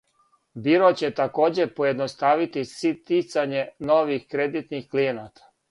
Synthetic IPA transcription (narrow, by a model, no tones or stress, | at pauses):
biɾot͡ɕe̞t̪ako̞ːd͡ʑe̞pojed̪nost̪aʋit̪isit̪it̪saɲeno̞ʋixkɾed̪it̪nixklijenat̪ḁ